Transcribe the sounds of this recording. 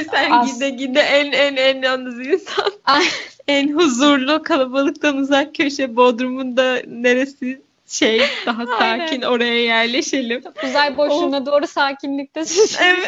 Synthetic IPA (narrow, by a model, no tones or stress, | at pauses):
sæɾid̪ɛɟid̪ɛʔænænænjanːɯzinsan | ænɦuzuɾlˠukʰalˠabalˠɯk̚t̪anuzak̚cʰø̞ʃɛbo̞d̪ɾumund̪ane̞ɾesi | ʃejd̪̥aɦasaːcʰino̞ɾajajæɾlʲe̞ʃelʲimt͡ʃokuzalʲbo̞ʃunad̪o̞ːɾusaːcʰinlʲic̚t̪ʰɛsɛvɛ